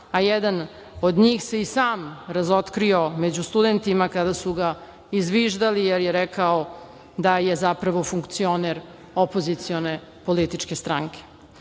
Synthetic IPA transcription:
ajɛd̪an | od̪ɲiːxse̞isaːmɾazo̞t̪kɾio̞med͡ʑust̪ud̪ent̪imakad̪asuɡa | izʋiːʒd̪alijeɾjeɾɛkao | d̪ajezapɾaʋo̞fuŋkt̪sio̞neɾ | o̞po̞zit̪sio̞ne̞ | polit̪it͡ʃkest̪ɾaŋkʰe̥

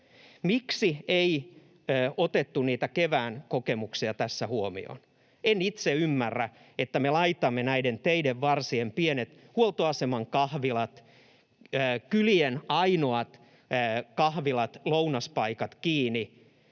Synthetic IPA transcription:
miksiei | øːot̪et̪ːuniːt̪ækeʋæːnkokemuksiɑt̪æsːæhuomḭo̰n | enit̪seymːærːæ | et̪ːæmelɑit̪ɑmːenæident̪eideʋːɑrsiempienet̪ | huolt̪oɑsemɑŋkɑhʋilɑt̪ | øːkylienɑinoɑt̪ː | kɑhʋilɑt̪lounɑspɑikɑt̪kiːni

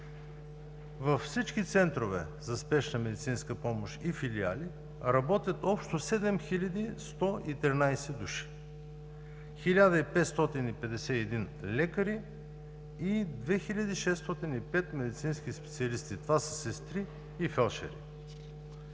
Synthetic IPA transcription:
vɐfsit͡ʃk̟it̪sɛnt̪ɾovɛ | zɐspɛʃnəmɛd̪it̪sinskəpɔmoʃifilia̰li | ɾɐbɔt̪ʲjət̪ɔpʃt̪osɛd̪ɛmxilʲəd̪ist̪ɔit̪ɾinajsɛd̪uʃi̥ | xilʲad̪əipɛt̪st̪ɔt̪inipɛd̪ɛsɛɛd̪in | lɛkəɾi | id̪vɛxilʲɐd̪iʃɛst̪ɔt̪inipɛt̪mɛd̪it̪sinskʲispɛt̪siɐlist̪it̪ovasə̥sɛst̪ɾiː | fɛlˠʃɛ̰ɾḭ

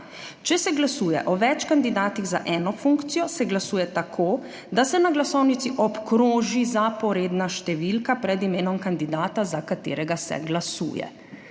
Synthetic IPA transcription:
t͡ʃɛsɛɡlasuːjɛ̰ʔɔʋɛt͡ʃkand̪id̪aːt̪iɣza̰ʔɛːnɔfuŋkt̪sijɔsɛɡlasuːjɛt̪akʰoː | d̪asɛnaɡlasɔwnit̪siʔɔpkɾoːʒizapɔɾeːd̪naʃt̪ɛʋilkapɾɛd̪imeːnɔmkand̪id̪aːt̪azakat̪ḛːɾɛɡasɛ̰ɡlasṵːjɛ̰

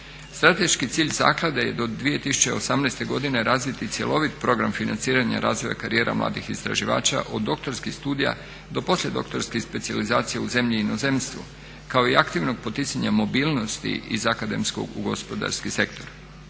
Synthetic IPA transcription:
st̪ɾat̪e̞ʃkit̪siːʎza̰ːklˠad̪aje̞̰d̪o̞d̪ʋije̞t̪isu̥t͡ɕe̞osamnɛjst̪e̞ɡo̞d̪ine̞ɾʔaːzʋit̪it̪sje̞lo̞ʋit̪pɾo̞ɡɾamfinant̪siːɾaɲa̰ɾʔa̰ːzʋo̞ja̰kaɾije̞ːɾʔa̰mlˠa̰ːd̪ixist̪ɾa̰ʒiʋa̰ːt͡ʃa̰ʔo̞d̪ːo̞kt̪o̞ɾskixst̪uːd̪ija̰ | d̪o̞po̞slʲe̞d̪o̞̰kt̪o̞ɾskixspe̞t̪sializaːt̪sijeuze̞mʎiːno̞ze̞mst̪ʋṵ | kao̞iakt̪iʋno̞ɡ̚po̞t̪it̪saɲamo̞biːlˠno̞st̪ḭʔizakad̪e̞msko̞̰ɡuɡo̞spo̞d̪a̰ɾskise̞kt̪o̞ɾ

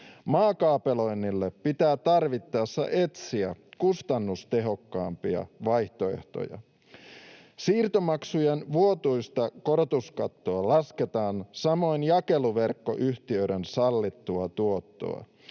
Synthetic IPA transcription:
mɑːkɑːpe̞lo̞jnːilːepːit̪æːt̪ɑrʋit̪ːɑːsːɑ̰ʔe̞t̪siækust̪ɑnːust̪e̞ɦo̞kːɑːmpiɑ̰ʋɑjht̪o̞e̞̰ht̪o̞̰jɑ̰ | siːrt̪omɑksujenʋuo̞t̪ujst̪ɑko̞ɾot̪uskɑt̪ːoɑlɑske̞t̪ɑːnsɑmo̞jnjɑke̞luʋe̞rkːo̞̰ʔyçt̪iø̞ɥɾensɑlːit̪ːuɑt̪uo̞t̪ːo̞̰ɑ̰

